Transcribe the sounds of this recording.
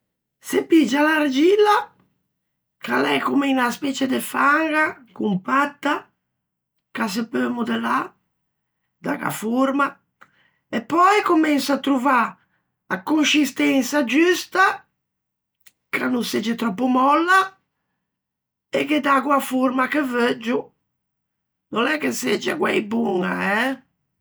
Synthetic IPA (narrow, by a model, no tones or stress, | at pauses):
sepid͡ʒːalaɾd͡ʒilːa | kalɛ̰kumɛinaspɛt͡ʃed̪efaŋɡakumpat̪ːa | kas̬epømud̪ela | d̪a̰ɡa̰foɾma | epːɔjkomɛnsaːt̪ːɾuva | akːonʃist̪ɛnsad͡ʒyst̪a | kɾanːunsed͡ʒɛt̪ɾɔpːumɔlːa | ɛked̪aɣwafuɾmakeved͡ʒːu | nɔnɛkːesed͡ʒːɛa̰ɡwɛ̰jbuŋa̰ɛ